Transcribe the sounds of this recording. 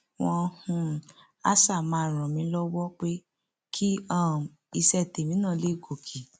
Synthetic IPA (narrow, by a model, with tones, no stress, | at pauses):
wɔ̃˧hũ˧ | a̰˦sa˦˨mãː˧˦˨ɾ̃ã˨mĩ˧˦lɔ˦wɔ˦k͡pe˦ | kʰi˦ã˦˨ | i˧sɛ˧˨te˨mĩ˨˦nãː˦˨˧le˨˦˨ɡo˨kʰi˨